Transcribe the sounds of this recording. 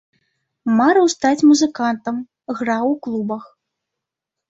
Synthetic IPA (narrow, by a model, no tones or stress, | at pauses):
maɾɐwst̪at͡sʲmuzɨkant̪ɐm | ɣrawklˠubɐx